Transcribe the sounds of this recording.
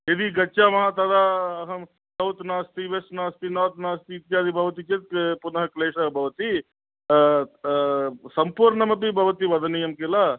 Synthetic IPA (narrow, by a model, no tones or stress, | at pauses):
ed̪iɡɐːt͡ʃaːmɐɦat̪ɐd̪aːɐɦɐm | sɐwt̪naːst̪iʋesnaːst̪inɐːt̪naːst̪iːt̪jaːd̪ibʱɐʋɐt̪it͡ʃet̪̚kpunɐɦɐkleːʂɐbʱɐʋɐt̪i | sɐmpuːɾɳɐmɐp̬ibʱɐʋɐt̪iʋɐd̪ʱɐnijɐmkela